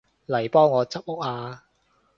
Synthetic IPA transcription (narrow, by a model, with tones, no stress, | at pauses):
lɐ˨˩jpɔː˥ŋːɔː˨˧t͡sɐ˥p̚ʊ˥k̚aː˧